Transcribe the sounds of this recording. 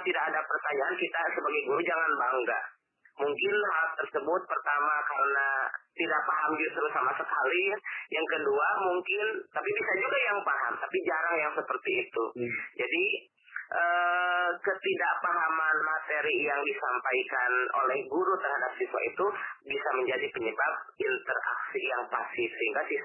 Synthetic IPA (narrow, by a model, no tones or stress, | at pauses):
t̪idakadapərt̪aɲaʔankit̪asəbaɡajɡuɾud͡ʒaŋanbaŋɡa̰ | muŋkɪnɦalt̪ərsəbʊt̪̚pərt̪amakaɾənat̪idaʔ̚paɦamd͡ʒust̪ɾusamasəkalijaŋkəduamuŋkɪnt̪apibisad͡ʒuɡajaŋpaɦa̰mt̪apid͡ʒaɾaŋjaŋsəpərt̪iːt̪ud͡ʒadi | ʔəːkət̪idaʔpaɦamanmat̪eɾijaŋdisampaikano̰lɛhɡuɾut̪ərhadap̚siswa̰it̪ubisaməɲd͡ʒadipəɲəbap̚int̪əra̰ksijaŋpa̰sɪsəɦiŋɡasis